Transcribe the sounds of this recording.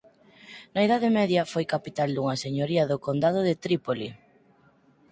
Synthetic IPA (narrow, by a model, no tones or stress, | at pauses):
nɐeðaðɪmɛðjɐfojkapit̪ald̪uŋɐseɲoɾiɐðʊkond̪að̞ʊðɪt̪ɾipoli